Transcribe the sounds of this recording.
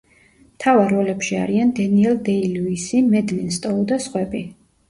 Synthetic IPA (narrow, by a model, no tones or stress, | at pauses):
mt̪ʰavaɾːɔlɛpʃia̰ɾiand̪ɛniɛlˠd̪ɛiluisimɛd̪linst̪ʼɔɔd̪asχwɛbi